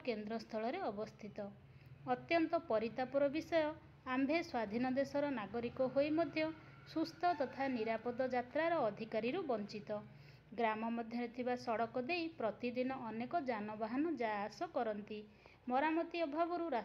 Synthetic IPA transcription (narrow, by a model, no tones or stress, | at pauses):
kend̪ɾɔst̪ʰɔɭɔɾeɔbɔst̪ʰit̪ɔː | t̪jɔnt̪ɔpɔɾit̪apɔɾɔbisɔjɔ | ambʱeswad̪ʱinɔd̪esɔɾɔnaɡɔɾikɔɦojmɔd̪ʱjɔ | sust̪ʰɔt̪ɔt̪ʰaniɾapɔd̪ɔd͡ʒat̪ɾaɾɔːd̪ʱikaɾiɾubɔnt͡ʃit̪ɔ | ɡɾamɔmɔd̪ʱjɔɾet̪ʰibasɔɽɔkɔd̪ejpɾɔt̪id̪inɔʔːnekɔd͡ʒanɔbaɦɔnɔd͡ʒaasɔkɔɾɔnt̪i | mɔɾamɔt̪iɔbʱabɔɾuɾa